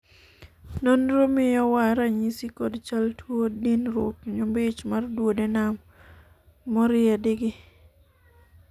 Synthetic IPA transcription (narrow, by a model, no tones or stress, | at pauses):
nonɾomɪjɔwaɾaɲisikɔdt͡ʃaltwodinɾwo̰pɲʊmbɪt͡ʃmardwodɛnamː | ɔɾɪɛdɪɡɪ